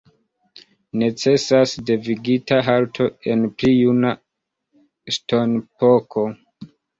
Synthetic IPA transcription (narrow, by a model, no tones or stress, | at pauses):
ne̞t͡se̞sasde̞viɡitaɦaltʰo̞e̞nplijuna | sto̞npo̞kʰo̞